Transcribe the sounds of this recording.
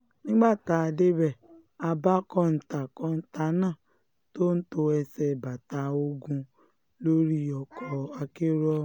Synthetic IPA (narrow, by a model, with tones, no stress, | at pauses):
nĩ˦ɡ͡ba˦˨ta˨a˨de˦bɛ˨ | a˧ba˦kɔ˦n̩˨ta˨kɔ̃˧˦n̩˦ta˨˦nãː˦˨ | to˦n̩˦to˧ɛ˧sɛ˨ba˨ta˨o˧ɡũ˧ | lo˦ɾi˦ɔ˨kʰɔ˧a˧ke˦ɾɔ˦˨